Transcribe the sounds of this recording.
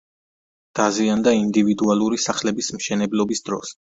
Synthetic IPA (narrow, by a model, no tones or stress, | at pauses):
d̪̥aziand̪aind̪ivid̪ualˠuɾisaχlɛbismʃɛnɛblɔbisd̪ɾɔ̰s